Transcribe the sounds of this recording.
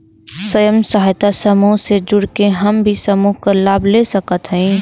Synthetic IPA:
swəjəmsɐɦajt̪asɐmuɦsed͡ʒʊɽkeɦɐmbʱisəmuːɦkalaːbʱlesəkət̪ɦɛ̃ĩː

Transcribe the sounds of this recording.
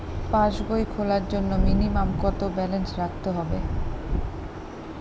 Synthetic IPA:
pãʃɡojkʰolaɾd͡ʑonːominimamkɔt̪obɛlensɾak̚ʰt̪eɦɔbe

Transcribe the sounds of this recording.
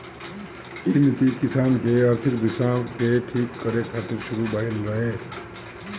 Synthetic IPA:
init̪ikisaːnkeəɾt̪ʰik̚d̪isakeʈʰikːəɾekʰaːt̪iɾsuɾubəɦilɾəɦe

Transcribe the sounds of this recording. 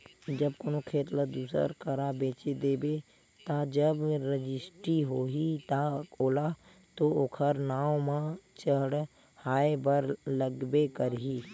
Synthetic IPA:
d͡ʒəbkoːnokʰeːt̪ləd̪uːsə̰ɾkʰəɾabeːt͡ʃed̪eːbe | t̪ad͡ʒəbɾəd͡ʒɪsʈɾiɦoːɦit̪aoːla | t̪ookʰəɾnaːwmãt͡ʃəɦɽ | haːebəɾləɡbekəɾɦi

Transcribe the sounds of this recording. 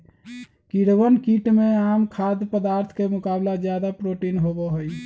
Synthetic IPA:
kiɽbənkiʈmeamkʰad̪pəd̪aɾt̪ʰkemʊkablad͡ʒjad̪apɾoʈinɦobɔɦoj

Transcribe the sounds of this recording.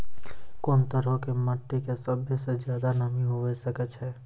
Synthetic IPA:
koːnt̪əɾəkeməʈːikesəbʱised͡ʒjaːd̪anəmiɦoʋɛsəkɛt͡ʃʰɛː

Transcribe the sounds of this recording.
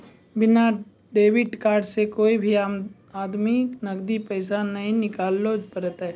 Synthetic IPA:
bɪna | ɖeːʋɪʈkaːɾɖsekoːibʱi | aːd̪miknɐɡd̪ipəːsanɐɦĩnɪkaːlːoːd͡ʒpəɾət̪ɛ

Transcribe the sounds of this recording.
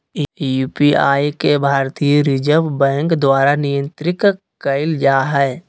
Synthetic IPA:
juːpiaːjkebʱaːɾt̪ijəɾɪd͡ʒəbbɛ̃ːŋkd̪waːɾanɪjə̃nt̪ɾɪk | kəɪld͡ʒaːɦɛː

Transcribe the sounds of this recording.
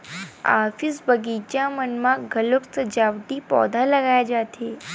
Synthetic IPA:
a̰fisbəɡit͡ɕjamənmakɡʱəlokt͡səd͡ʑaʋd̪iːpɔ̰d̪ʱalaɡajad͡ʑat̪ʰe

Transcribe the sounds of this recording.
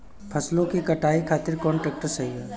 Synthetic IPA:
pʰɐslõkikɐʈaːikʰaːt̪ɪɾkɔːɳʈɾɛːk̚ʈəɾsɐɦiɦɛː

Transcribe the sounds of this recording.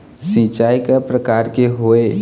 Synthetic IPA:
sĩt͡ʃaikapɾəkaɾkeɦoe

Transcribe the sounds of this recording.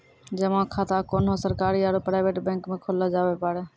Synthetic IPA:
d͡ʒəmãkʰaːt̪akoːnosəɾkaːɾiaɾopɾaːɪʋeːʈbẽːŋkmẽkʰoled͡ʒaːʋepaːɽeː

